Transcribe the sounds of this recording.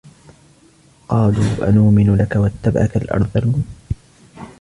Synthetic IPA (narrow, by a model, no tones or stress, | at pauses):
qɑːluːʔa̰nuːmɪnʊlakawat̪ːabʕa̰kalʔɑ̰ɾˤðˤɑlː